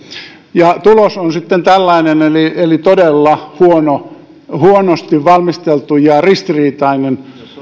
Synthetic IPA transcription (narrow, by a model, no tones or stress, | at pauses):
jɑt̪ulosonsit̪ːent̪ælːɑinenelielit̪odelːɑhuono | huonost̪iʋʋɑlmist̪elt̪ujɑrist̪iriːt̪ɑinen